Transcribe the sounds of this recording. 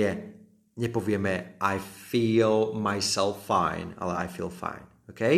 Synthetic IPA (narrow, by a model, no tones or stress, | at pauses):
ɛ | nɛpɔviəmɛʔajfiːlˠmajsɛlˠfãɪ̃na̰lˠaa̰jfḭːlˠfã̰ɪ̃n | okʰe